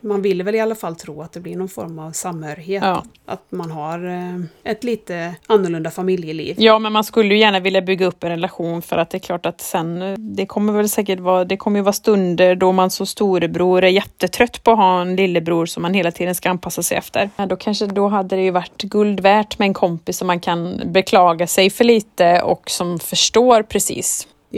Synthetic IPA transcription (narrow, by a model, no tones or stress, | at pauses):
manvɪlːəvɛlɪalːafalːt̪ʰɾuːat̪̚d̪ɛblɪɾɳɔnfɔ̰ɾmavsamhœːɾɪheːt̪ɑː | ʔa̰t̪manɦaɾɛt̪liːt̪əanːʊɭɵnd̪afamɪljəlḭːvjɑːmɛnmanskɵlːəjɵjæːɳavɪljabʏɡːaɵpːɛnɾɛlaɧuːnfœɾat̪̚d̪ɛːɾkʰlɑːʈat̪sɛnd̪ɛkʰɔmːəɾvɛlsɛːkəʈvɑːd̪ɛkʰɔmːəjɵvɑːst̪ɵnd̪əɾɖɔmansɔst̪uːɾəbɾuːɾæɾjɛt̪ːət̪ʰɾœt̪ːpʰɔːɦɑːɛnlɪlːəbɾuːɾsɔmːanheːlat̪ʰiːd̪ənskaanpʰasːasɛjɛ̰ft̪ʰəɾd̪ɔkʰanʂəd̪ɔɦad̪ːəd̪ɛjɵvaʈːɡɵld̪væːʈmɛɛnkʰɔmpɪsːɔmːankʰanbɛkʰlɑːɡasɛjfœɭiːt̪əɔ̰ksɔmfœʂʈoːɾpʰɾɛsḭːs